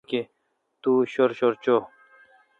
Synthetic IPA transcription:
ke | t̪uːɕoɾɕoɾt͡ɕoː

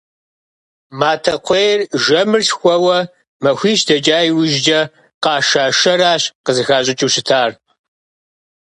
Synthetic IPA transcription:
maːtʰɐqʷʰejrʒɐmɨrɬxʷɔwɐ | mɐxʷiːʃdɐt͡ʃʼaːjwʊʒd͡ʒɐ | qɑːʃaːʃɐraːɕqəzɨxaːɕʼɪt͡ʃʼiwɕɪtʰaːr

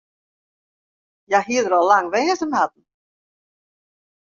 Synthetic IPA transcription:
jaɦiədəɾɔlaŋʋɛːsəmhat̚n̩

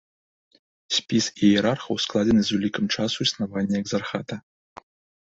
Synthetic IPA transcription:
sʲpʲisijɛɾarχɐwsklˠad͡zʲenɨzvʲulʲikəmt͡ʂasuisnavanʲːɛɛɡzarxat̪ɐ

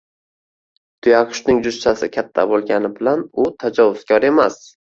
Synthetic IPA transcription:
d̪̥ʰʊjaqʰʊ̥ʃnɪŋd͡ʒʊʃt͡ʃ̪asɪkʲʰat̪ʰːa̰bolˠɡʲanɪbɪlanʊt̪ʰad͡ʒɒvʊz̥kʲʰɒɾe̞mas

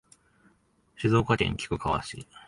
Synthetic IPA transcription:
ɕizo̞ːkat̪ẽ̞̰ŋkʲi̥kɯ̟kaβa̰ɕḭ

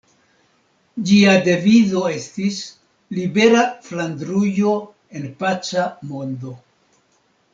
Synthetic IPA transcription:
d͡ʒiade̞vido̞e̞stis | libe̞ɾaflandɾujo | e̞npat͡ʃamo̞ndo̞

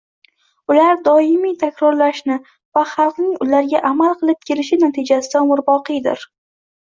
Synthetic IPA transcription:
ʊlaɾd̪ɒɪmijt̪ʰakʲɾɒɾlaʃnɪ | vaχɑlˠqnɪŋʊlaɾɡʲaʔamalˠqʰɨlˠɪp̚kʲʰe̞lɪʃɪnat̪ʰɪd͡ʒasɪd̪amʊɾbɒqɨjd̪ɪ̰ɾ

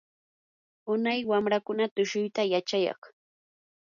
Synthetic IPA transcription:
ʊnajwamɾakʊnat̪ʊʃʊjt̪ajat͡ʃajɑ̰χ

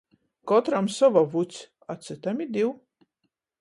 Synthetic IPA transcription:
kɔt̪ɾamsɔvɐvut͡sʰ | at͡sʰɨt̪ʰamid̪iw

